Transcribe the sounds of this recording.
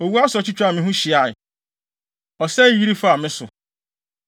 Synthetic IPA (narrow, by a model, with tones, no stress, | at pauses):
o˨wu˦a˦sʊ˨ɔ˨t͡ɕʰi˦t͡ɕʰᶣa˨mɪ̃˦ɦũ˦ɕi˨a˨ɪ˨ | ɔ˨sɛ˦ji˦ɾi˦fa˦a˨mɪ̃˦sʊ̰˨